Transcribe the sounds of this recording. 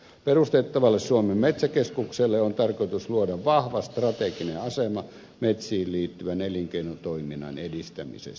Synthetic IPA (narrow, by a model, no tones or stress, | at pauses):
perust̪et̪ːɑʋɑlːessuomemmet̪sækeskukselːeont̪ɑrkoit̪usluodɑʋʋɑhʋɑst̪rɑt̪ekineɑsemɑ | met̪siːlliːt̪ːyʋæneliŋkeinot̪oiminːˑɑ̰nedist̪æmḭsḛst̪